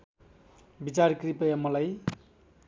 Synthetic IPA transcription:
bit͡sarkripʌjamʌlaj

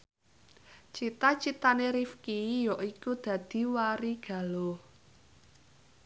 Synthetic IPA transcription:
t͡ʃit̪at͡ʃit̪aneɾifkijɔʔikud̪̥ä̤d̪̥i̤waɾiɡ̥ä̤lo

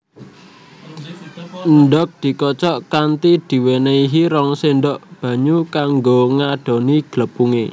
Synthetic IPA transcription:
nɖɔk̚d̪̥i̤kɔt͡ʃɔʔkant̪id̪̥i̤weneiɦiɾɔŋsenɖɔʔb̥ä̤ɲukaŋɡoŋaɖ̥o̤niɡ̥ləpuŋḛ

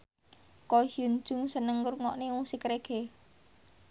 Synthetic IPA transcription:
kɔhun̥d͡ʒ̥ʊ̤ŋsənəŋɾuŋɔʔniusɪkɾeɡ̥e

